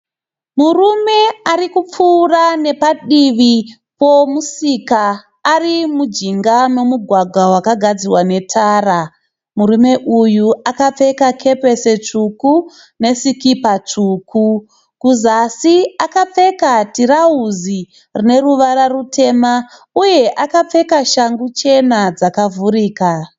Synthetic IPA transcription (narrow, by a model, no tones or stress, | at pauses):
murume̞aɾikup͡fuːrane̞paɗiʋi | po̞musikaː | rimud͡ʒiŋɡano̞muɡʱwaɡʱawakaɡʱad͡ziwane̞tʰaːra | muɾume̞ʔujuʔakap͡fe̞kakʰe̞pe̞se̞t͡ʂuku | ne̞sikipat͡ʂuːkʰu | kuzasiakap͡fe̞katiɾauzi | rine̞ɾuʋaɾarutʰe̞ːma | uje̞ʔakap͡fe̞kaʃaŋɡut͡ʃe̞nad͡zakavuɾiːka